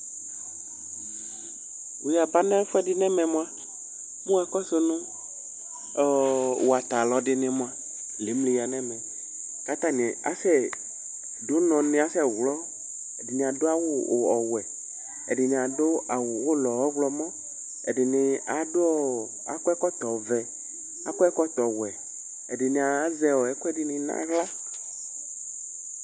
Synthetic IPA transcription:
wu˨ja˨ba˦nɛ̃˦fɛ˦dɪ˦nɛ̃˦mɛ̃˨m˦a˦ | mũ˦ɛ˨kɔ˦so˦nũ˦˨ | wo˨a˨t̪a˨lɔ˨ɖɪ˦nɪ̃˨mõ˦a˦ | le˨˦mle˨˦ja˨nɛ̃˦mɛ̃˨ | ka˦t̪ã˦nĩ˨a̰˦sɛ˦ | do˦nɔ̃˨nɪ̃˨a˦sɛ˦˨wlɔ˦ | ɛ˨dɪ˨nĩ˨a˨do˦a˦wo˦˨ɔ˨wɛ˨ | ɛ̰˨dɪ˨nĩ˨a˨do˦a˨wwo˦lɔ˨wɔ˦ɡlɔ˦mɔ̃˦ | ɛ̰˨dɪ˨nɪ˨a˨dɔ˦ | a˨kɛ˦kɔ˦t̪ɔ˨vɛ˨ | a˦kɔ˦ɛ˦kɔ˦t̪ɔ˨wɛ˨ | ɛ˨dɪ˨nĩ˨a˨˦zɛ˦wɔ˨ɛ˨˦ku˦ɛ˦dɪ˦nɪ̃˨nã̰˦ɣla˦

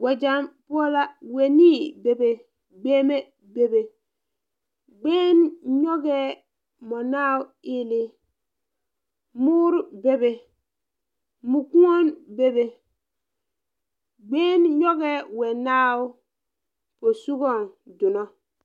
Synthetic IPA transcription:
wa˨d͡ʒa˦˨mpo˦la˦we˨ni˦be˦be˨ | ɡ͡be˦me˦ | be˦be˨ | ɡ͡be˦nɲɔ˦ɡɛ˦ | mo˨na˦u˦i˦li˦ | mu˦ɾbe˦be˨ | mu˨ku˦ŋo˦nbe˦be˨ | ɡ͡beː˦nɲo˦ɡɛ˦we˨naː˦u˦ | po˨su˦ɡɔ˦˨ndu˨no˦

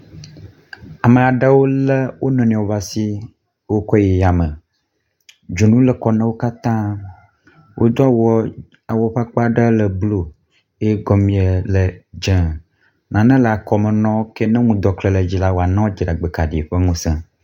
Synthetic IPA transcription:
a˨mə˨a˨ɖə˦wo˦lə˦wʔo˦nɔ̃˨ñ˨a˨wo˨va˨si˦ | wo˦kɔ˦je˨ja˨mə̃˨ | d͡ʒo˨nũ˦lə˨kɔ˦nɛ̃˦wo˦ka˦t̪ã˦ | wʔo̰˦d̪ɔ˦a˨wɔ˦ | a˨wɔ˦ɸa˦k͡pa˦ɖə˦lə˨blo˦ | e˦ɡɔ˦mĩ˦ə˨lə˨d͡ʒɛ̃˨˦ | nã˨nɛ̃˦lə˨a˨kɔ˨mə̃˨nɔ̃˦kɛ˦nɛ̃˦ŋũ˨d̪ɔ˨klɛ˨lə˨d͡ʑi˦la˦wo˦˨a˨nã˦wd͡ʒi˨ɖa˨ɡ͡be˨ka˨ɖi˨ɸə˦ŋũ˦sɛ̃˦

